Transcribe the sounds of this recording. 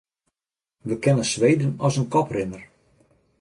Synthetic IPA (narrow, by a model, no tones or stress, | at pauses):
ʋəkɪnəsʋejdənɔsənkɔprɪnər